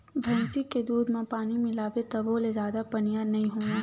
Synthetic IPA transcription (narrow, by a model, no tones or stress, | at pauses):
bʱɐ̃ːnsiked̪uːd̪mẽpaːnimɪlaːʋet̪ɐboːlezaːd̪apɐnijanɐɦĩɦoːaː